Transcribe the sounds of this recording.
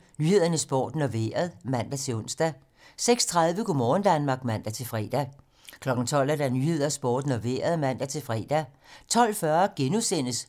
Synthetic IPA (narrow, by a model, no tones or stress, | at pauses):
nyhe̝ð̞̰ˠɐnəsb̥o̰ːd̥nɒʋe̝̰ɐð̞ˠmæn̰d̥æt͡sʰe̝ɔ̽n̰sd̥æ | seɡ̥st͡sʰʁɑð̞ˠʋəkʰumɒːn̩d̥ænmɑ̈ːɡ̥mæn̰d̥æt͡sʰe̝lfʁɛ̰ːd̥æ | kʰlɒ̽ɡ̥n̩t͡sʰɒ̽l̰æd̥ænyhe̝ð̞̰ˠɐsb̥o̰ːd̥noʋḛːɐð̞ˠmæn̰d̥æt͡sʰe̝fʁɛ̰ːd̥æt͡sʰɒ̽l̰fɶɐɡ̥enusen̰əs